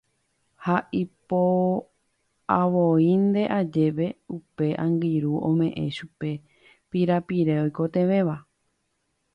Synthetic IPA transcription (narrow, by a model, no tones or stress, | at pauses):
haʔipo | aʋoĩnd̪e̞ʔad͡ʒe̞ʋe̞upe̞ʔãŋɡiɾuʔõ̰mẽ̞ʔẽ̞̰ʃupe̞ | piɾapiɾeojkot̪ẽ̞ʋẽ̞ʋa